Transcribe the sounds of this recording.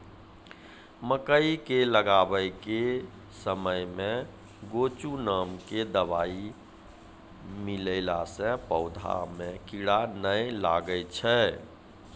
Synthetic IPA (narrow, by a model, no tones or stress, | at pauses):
məkəikeləɡabəjke | səməjmẽ | ɡot͡ʃunamked̪əbai | miləɪlasɛ̃pəʊd̪ʱa̰mẽkiɽanəjla̰ɡəjt͡ʃʰɛ